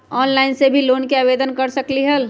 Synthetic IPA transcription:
ɔːnlaɪnsebʱiloːnkeabeːd̪ənkəɾsəkliɦəl

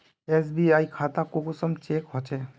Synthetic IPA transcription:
esbiajkʰat̪akokusɔmt͡ʃekɦɔt͡ʃʰe

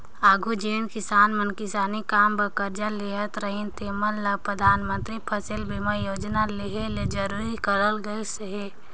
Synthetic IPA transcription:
aːɡʱud͡ʒenkɪsaːnmənkɪsaːnikaːmbəkəɾd͡ʒaleɦət̪ɾəɦint̪emənləɡpɾəd̪ʱaːnmə̃nt̪ɾipʰəsɪlbʱiməjoːd͡ʒnaleɦeled͡ʒəɾuɾikəɾəlɡəeseɦe

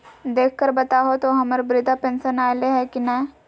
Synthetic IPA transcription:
d̪eːkʰkəɾbɐt̪aːɦot̪oɦɐməɾbɾɪd̪apẽːnsənaːleɦɛkinɛ̃ː

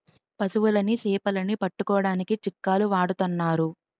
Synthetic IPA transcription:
pɐsuʋulɐnisɛːpɐlɐnipɐʈːukɔːɐɽaːnikit͡ʃikːaːluʋaːɽut̪unːaːɾu

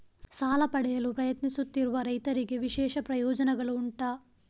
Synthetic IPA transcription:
saːlɐpɐɽɐjɐlupɾɐjɐt̪nisut̪ːiɾuʋɐɾɐjt̪ɐɾiɡeʋiʃɛːʃɐpɾɐjɔːd͡ʒɐnɐɡɐluːɳʈaː

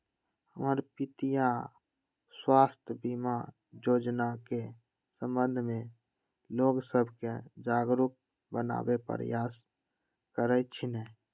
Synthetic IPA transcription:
həməɾpit̪ija | swaːst̪ʰjəbima | d͡ʒod͡ʒnake | sə̃mbə̃nd̪ʱmẽ | loɡsəbʱked͡ʒaɡɾuk̚ | bəna̰bepə̰ɾ̰jas | kəɾət͡ʃʰinɛ

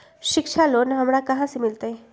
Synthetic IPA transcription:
ʃɪkʃʰaloːnɦɐmɾakɐɦãsemɪlt̪eɦɛ̃ː

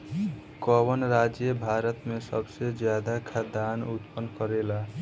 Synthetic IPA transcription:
kɔbənɾad͡ʒjebʱaɾət̪mẽsʌbsed͡ʒjad̪akʰad̪anut̪pənkɔɾela

